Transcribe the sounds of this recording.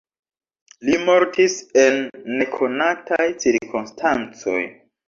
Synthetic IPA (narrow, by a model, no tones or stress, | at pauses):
limo̞ɾtise̞nːe̞kʰo̞natajt͡siɾkʰonstʰant͡so̞̰j